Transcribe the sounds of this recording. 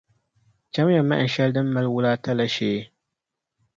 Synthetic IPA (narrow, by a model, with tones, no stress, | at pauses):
t͡ʃa˦mja˨mːa˦˨n̩˨ʃɛ˦ldɨ˦mː˦a˦lwʊ˦laː˦ta˦la˦ʃeː˦